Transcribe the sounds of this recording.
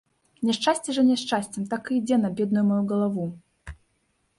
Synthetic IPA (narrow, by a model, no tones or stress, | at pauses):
nʲɛʂt͡ʂasʲt͡sʲɛʐɐnʲɛʂt͡ʂasʲt͡sʲɛmt̪akɨid͡zʲɛnɐbʲɛd̪nujumajuɡɐlˠavu